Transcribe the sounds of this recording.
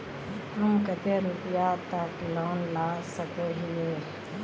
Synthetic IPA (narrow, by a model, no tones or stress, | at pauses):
ɪt̪əmkət̪eɾʊpjat̪əkloːnlaːsəkeɦieː